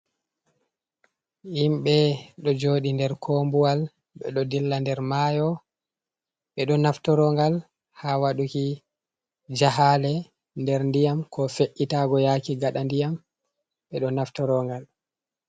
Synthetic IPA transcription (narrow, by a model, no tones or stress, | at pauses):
himɓɛɗɔd͡ʒoːɗindɛɾkʰombuwal | ɓɛ̰ɗɔdilːandɛɾmaːjɔ | ɓɛɗɔnaftɔɾɔŋɡal | hawaɗuki | d͡ʒaɦaːlɛ | ndɛɾndijamkʰɔfeʔːitaːɡɔjakiɡaɗandijam | ɓɛɗɔnaftɔɾɔŋɡal